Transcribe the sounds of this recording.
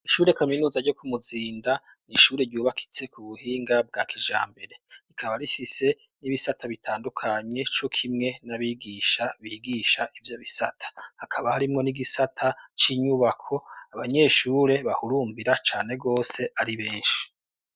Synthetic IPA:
iʃuːɾe̞kaminuːzaɾɟo̞kʰumuziːnda | niʃuːɾe̞ɾɟuːβakʰi̥t͡se̞kuβuhiːŋɡab̚ɡa̰ːkiʒa̰ːmbe̞ɾe̞ikʰaβaɾifise̞ | niβisatʰaβitʰaːndukʰaɲe̞t͡ʃo̞kʰimŋe̞naβiɡiʃaβiːɡiːʃaʔivjo̞βisatʰḁhakʰaβahaɾimŋo̞niɡisatʰat͡ʃiɲuβakʰo̞aβaɲe̞ːʃuːɾe̞βahuɾuːmbiɾat͡ʃaːneɡo̞ːse̞ʔaɾiβeːʃu̥

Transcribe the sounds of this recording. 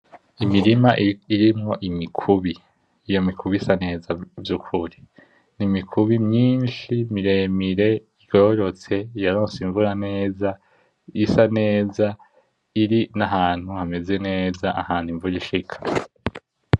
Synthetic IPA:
imiɾimaʔiɾimŋo̞ʔimikʰuβiː | jo̞mikʰuβisane̞ːzavjukʰuɾi | nimikʰuβimɲiːnʃimiɾemiɾe̞ | ɡo̞ːɾo̞t͡se̞jaɾoːnsiɱvuɾane̞ːza | isane̞ːza | iɾinaɦaːn̥huhame̞ze̞ne̞ːzaʔahaːn̥huiɱvuɾiʃikʰḁ

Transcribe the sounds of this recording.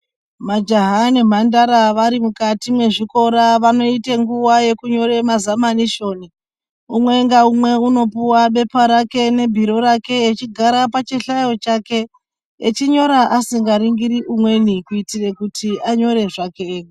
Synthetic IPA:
mad͡ʒaɦanem̤andaɾaʋaɾimukatimwe̞ʐiko̞ɾaʋano̞iteŋɡuwaje̞kuɲo̞ɾe̞mazamaniʃo̞ni | umwe̞ŋɡaumwe̞uno̞puwaɓe̞paɾake̞ne̞bʱiɾo̞ɾake̞ːt͡ʃiɡʱaɾapat͡ʃeɬajo̞t͡ʃake̞ | et͡ʃiɲo̞ɾaʔasiŋɡaɾiŋɡiɾiʔumwe̞nikuitire̞kutʰiaɲo̞ɾe̞ʐake

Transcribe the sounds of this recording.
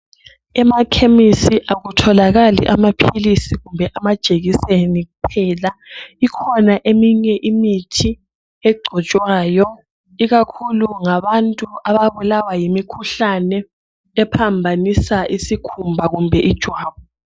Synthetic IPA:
ɛmakʰemisiʔaɣutʰɔlaɣalḭʔamapʰilisiɣumbʱɛʔamad̥ʒ̥ʱeɣiseniɣupʰɛlaikʰɔnaʔemiɲɛʔimitʰi | ɛɡ͡ǀʱɔt͡ʃʼwaːjɔ | iɣakʰuluŋaβantʼuʔaβaβulawajimikʰuɬanɛː | pʰambʱanisaʔisikʰumbʱaɣumbʱɛʔid̥ʒ̥ʱwaːβɔ

